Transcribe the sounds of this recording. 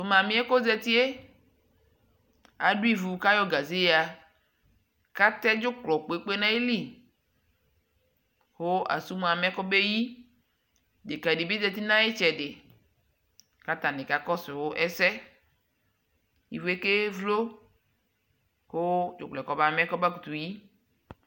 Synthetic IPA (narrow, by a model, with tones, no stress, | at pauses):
so˨mã˨mĩ˦e˦ko˦zɛ˦t̪i˦e˦ | a˨ɖu˦i˦vu˨ka˦jɔ˦ɡa˨zi˦a˨ | ka˦t̪ɛ˦d͡ʒo˦k͡plɔ˨k͡po˨e˦k͡pe˦nã˦e˦li˦ | ho˦a̰˨su˦m˨a˨mɛ˦kɔ˦be˦ji˦ | de˨ka˨di˨be˦dɛ˦t̪i˦nã˦e˦t͡ʃɛ˨ɖɪ˨ | ka˦t̪a˨nɪ̃˨ka˨kɔ˦sɪ˨wo˦ʔɛ˦sɛ˦ | ḭ˨vu˨˦e˦ke˦vlo˦ | xo˦d͡ʒʊ̰˨k͡plɛ˨kɔ˨ba˨mɛ̃˦kɔ˦ba˦ku˨t̪u˨ji˦